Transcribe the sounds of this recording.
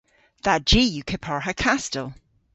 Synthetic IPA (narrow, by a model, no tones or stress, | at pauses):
ð̥ḁd͡ʒijukʰɪpʰaɹɦəkʰastəlˠ